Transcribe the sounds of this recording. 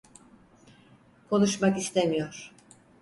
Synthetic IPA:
kʰo̞nuʃmakist̪ʰemijoɾ̥

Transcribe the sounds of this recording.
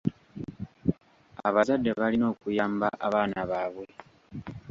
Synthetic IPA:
aβazadːe̞βalino̞ːkujaːmbaʔaβaːnaβaːβwe̞

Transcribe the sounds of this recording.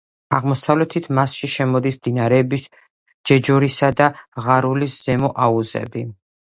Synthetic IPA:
aʁmɔsavlɛt̪ʰit̪ʰmasʃiʃɛmɔd̪ismd̪inaɾɛːbis | d͡ʒɛd͡ʒɔɾisad̪aʁaɾulisz̥ɛmɔʔauzɛ̰bi

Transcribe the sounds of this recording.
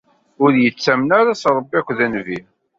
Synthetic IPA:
ʊɾjət͡sːæmnaɾasɾˤəbːikʷːðænvi

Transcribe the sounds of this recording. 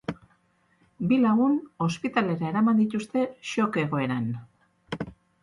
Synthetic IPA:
bilauno̞spit̪ale̞ɾae̞ɾamand̪it̪ust̪e̞ʃo̞ke̞ɣ̞o̞e̞ɾan

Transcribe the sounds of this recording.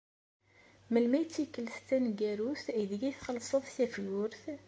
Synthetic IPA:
məlmæjət͡sːikːəlst̪ːænɡæɾuθæðiɡæjθχəlːsˤəðˤsæfjʊɾθ

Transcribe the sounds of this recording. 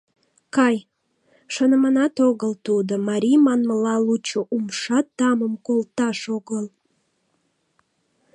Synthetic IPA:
kɑj | ʃənəmɑnɑt̪oɣəlt̪ud̪omɑɾʲijmɑnməlɑlut͡ɕoʔumʃɑt̪ːɑməmkolt̪ɑʃoɣəl

